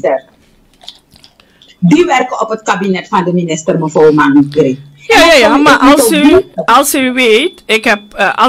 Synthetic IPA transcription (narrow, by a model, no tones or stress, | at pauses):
ə | diʋɛrkəɔpət̚kabinɛtfɑndəminɪstərməfoːmanɡɾi | jajajamaʔɑlˠsyɑlˠsyʋeːtɪkɦɛp̚ʔɑ